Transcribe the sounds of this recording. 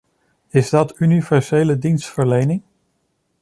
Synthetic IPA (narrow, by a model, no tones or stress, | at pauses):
ɪzdɑtynivɛɹzejlədinstfəɹlejnɪŋ